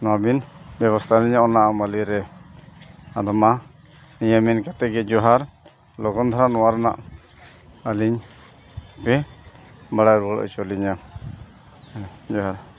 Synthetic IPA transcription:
nɔabinbjɛβɔst̪ʰaliɲaʔɔnaʔamaliɾɛ | ad̪ɔma | nijaminkat̪ɛɡɛd͡ʒɔɦaɾ | lɔɡɔnd̪ʱaɾanɔwaɾɔna̰ʔ | aliɲ | pɛ | baɽajɾuɔlɔ̰ʔt͡ʃɔliɲa | d͡ʒɔɦaɾ

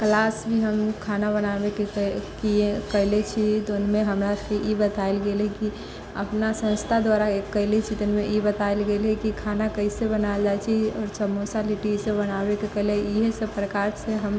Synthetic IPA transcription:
klaːsbʱiɦəmkʰaːnaβənabekekiekəɦɪlet͡ʃʰit̪onmẽɦəmɾakeʔjibət̪aelɡeːlɦeki | ə̰pnasə̃nst̪ʰad̪waːɾaekːəɦlet͡ʃʰit̪ənmẽʔibət̪aelɡelɦɛkikʰaːnakəisebənaeld͡ʒaet͡ʃʰiɔːɾsəmosaliʈisebənaːwekekəɦleiɦesəbpɾəkaːɾseɦəm

